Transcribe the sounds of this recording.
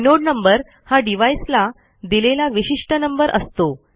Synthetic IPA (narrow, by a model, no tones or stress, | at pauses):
noɽnəmbəɾ | haɖiʋajsla | d̪ilelaʋiɕiʂʈənəmbəɾʔə̰st̪o